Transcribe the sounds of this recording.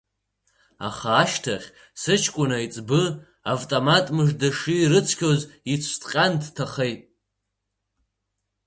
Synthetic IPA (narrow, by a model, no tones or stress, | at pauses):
a̰χaːʃtʰaχʲ | sɨt͡ʃʰkʷʼʊnait͡sʼbɨ | avtʼomatʼmɨʐdaʂɨiɾɨt͡sʰkʲʰozit͡sʷʰtʼqʲʼantʰtʰaχejtʼ